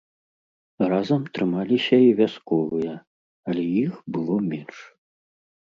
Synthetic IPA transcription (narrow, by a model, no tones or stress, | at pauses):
razɐmt̪ɾɨmalʲisʲɐivʲaskɔvɨjɐ | ɐlʲɛjixbɨlˠɔmʲɛnʂ